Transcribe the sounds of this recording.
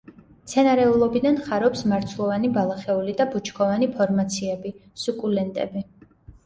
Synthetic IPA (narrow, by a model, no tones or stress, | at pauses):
t̪sʰɛnaɾɛulˠɔbid̪anχaɾɔpsmaɾt̪sʰulˠɔvanibalˠaχɛulid̪abut͡ʃʰkʰɔvanipʰɔɾmat̪sʰiɛbisukʼulɛnt̪ʼɛ̰bi